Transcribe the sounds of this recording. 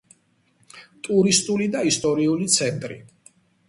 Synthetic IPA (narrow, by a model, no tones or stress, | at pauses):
t̪ʼuɾist̪ʼulid̪aist̪ʼɔɾiulit̪sʰɛnt̪ʼɾḭ